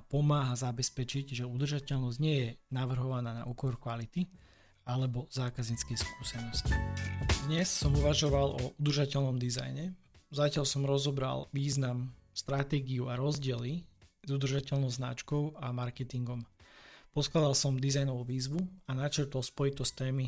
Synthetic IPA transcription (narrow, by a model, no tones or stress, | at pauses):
apɔmaːɦazabɛspɛt͡ʃiɟʒɛud̪r̩ʒacɛʎnɔzɟɲɪɛjɛnaʋr̩ɦɔʋanaːna̰ʔuːkɔɾkʋalit̪i | alɛbɔzaːkazɲit͡skɛjskuːsɛnɔscid̪ɲɛsːɔmɦuʋaʒɔʋalʔɔʔud̪r̩ʒacɛʎnɔmd̪iza̰jɲɛ | zacɪalsɔmɾɔzɔbɾa̰lʋiːznamst̪ɾat̪ɛːɡiuaɾɔzɟɪɛlizud̪r̩ʒacɛʎnɔʊzna̰t͡ʃkɔʊamaɾkɛt̪iŋɡɔmpɔsklad̪alsɔmd̪izajnɔʋuʋiːzʋuanat͡ʃɛɾt̪ɔlspɔjit̪ɔst̪ɛːmi